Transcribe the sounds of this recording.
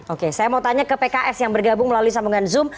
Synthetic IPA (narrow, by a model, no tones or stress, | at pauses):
okesajamaut̪aɲakəpekaʔɛsjaŋbərɡabʊŋməlaluis̬amuŋanzʊm